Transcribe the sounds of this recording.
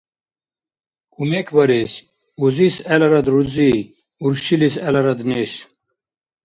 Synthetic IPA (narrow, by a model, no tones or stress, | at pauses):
kumekʰbɐɾes | uzisɐlɐɾɐd̪ɾud͡zi | uɾɕilisɐlɐɾɐd̪neɕ